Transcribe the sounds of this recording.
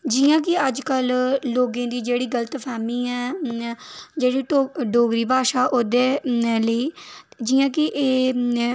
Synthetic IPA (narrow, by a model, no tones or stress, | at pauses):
d͡ʒijãːkɪəd͡ʒkəlloːɡẽːd̪iːd͡ʒeːɽiːɡələt̪pʰɛːmiːɛː | d͡ʒeːɽiːoɖoːɡɾiːbaːʃaːʔoːd̪eːləiːd͡ʒiːãːk̬ɪʔeː